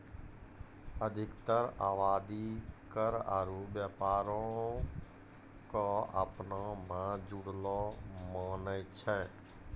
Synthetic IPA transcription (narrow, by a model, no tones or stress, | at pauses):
əd̪ʱɪkt̪əɾaːʋaːd̪ikəɾa̰ɾubjapaːɾõ | kaə̰pnãmãd͡ʒuɽlɔmaːnət͡ʃʰɛ